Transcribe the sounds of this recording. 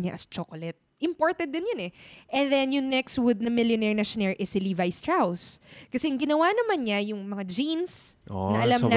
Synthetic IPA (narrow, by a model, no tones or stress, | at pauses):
ɲa̰ʔɐst͡ʃokolɛt̪̚ʔɪmpoɹt̪ɛd̪ːɪnjonɛʔɛndðɛnjʊŋnɛkswʊd̪̚nɐmɪljonɛɹnɐʃʊnɛɹʔɛsɪlivajst̪ɹawskɐsɛʔɐŋɡɪnɐwanɐmanɲɐjʊŋmɐŋad͡ʒinsonɐʔɐlamnɐ